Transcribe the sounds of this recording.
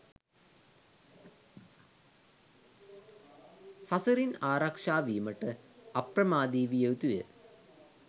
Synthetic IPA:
sɐsɐɾinaːɾɐkʂaːʋiːmɐʈəɐprɐmaːd̪iːʋijəʋt̪ujə̰

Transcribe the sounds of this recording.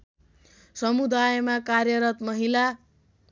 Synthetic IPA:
sʌmud̪ajmakarjʌɾʌt̪mʌɦila

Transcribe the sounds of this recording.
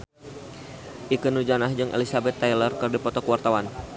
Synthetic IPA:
ʔikənud͡ʒanahd͡ʒɨŋʔḛlisabɛt̪ːajlərkərdipɔt̪ɔkəwart̪awan

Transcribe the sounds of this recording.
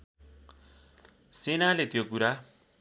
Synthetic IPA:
senalet̪jokuɾa

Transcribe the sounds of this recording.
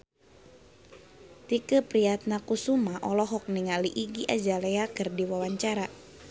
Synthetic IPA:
t̪ikəpɾiat̪̚nakusumaʔɔlɔɦɔk̚niŋaliʔiɡiʔad͡ʒaleakɨrdiwawaɲt͡ʃaɾa

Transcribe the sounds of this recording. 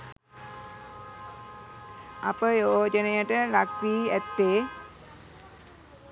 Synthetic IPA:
a̰pəjoːd͡ʒənejəʈəlakʋiːæt̪ːeː

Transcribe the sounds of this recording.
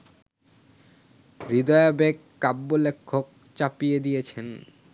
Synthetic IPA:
ɾid̪ɔjabekːapbolekʰːok̚ | t͡ɕapijed̪ijet͡ɕʰen

